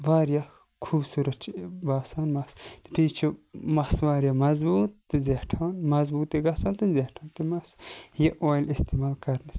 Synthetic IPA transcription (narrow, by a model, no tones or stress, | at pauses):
ʋaːɾja | kʰuːbsuːɾɐtt͡ʃʰbaːsaːnmɐst̪i̥piːt͡ʃʰumɐsʋaːɾjamɐzbuːt̪ːɨzeʈʰanmɐzbuːt̪iɡɐsant̪ɨzeʈʰãːnt̪imɐsjeʔoːjlist̪emaːlkɐɾnɐs